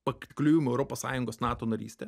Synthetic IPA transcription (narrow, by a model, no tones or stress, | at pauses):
pɐkt̪ʲklʲuːjʊmʊɛʊɾoːpoːsɑ̰ːjʊŋɡoːsnɑːt̪oːnɐɾʲḭːsʲt̪ʲɛ